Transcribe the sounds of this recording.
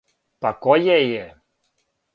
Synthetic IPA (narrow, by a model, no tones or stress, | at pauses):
pakɔjɛjɛ